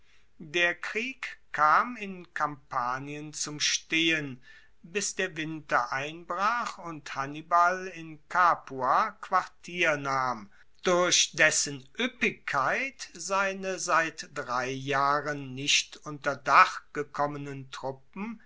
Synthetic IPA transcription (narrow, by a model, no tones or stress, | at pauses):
deːɐkʁ̥iːkkʰːaːmɪnkʰampʰaːniənt͡sʊmʃteːən | bɪsd̥eːɐvɪntɐʔaɪnbʁaːχʊnthanibalɪnkʰaːpuakv̥aɐtʰiːɐnaːm | d̥ʊɐɕd̥ɛsənʔʏpɪkʰːaɪtz̥aɪnəzaɪtd̥ʁaɪjaːʁənːɪʃtʔʊntɐdaχɡ̥əkʰɔmənəntʁ̥ʊp̚m̩